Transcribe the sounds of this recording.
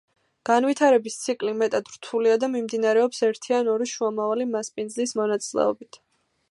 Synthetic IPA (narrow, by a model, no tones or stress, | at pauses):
ɡ̥anvit̪ʰaɾɛbist̪sʰikʼlimɛt̪ʼad̪ɾt̪ʰuliad̪amimd̪inaɾɛɔpsɛɾt̪ʰianɔɾiʃuamavalimaspʼind̪zlismɔnat̪sʼilɛ̰ɔbit̪ʰ